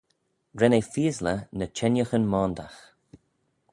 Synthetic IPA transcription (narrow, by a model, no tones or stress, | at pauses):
ɾɛnefiːzlənət͡ʃʰɛnjəxənmɔːnd̪ax